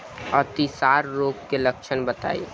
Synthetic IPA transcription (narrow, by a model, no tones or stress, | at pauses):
ət̪isaɾːokkelək̚t͡ʃʰənbət̪a̰ḭ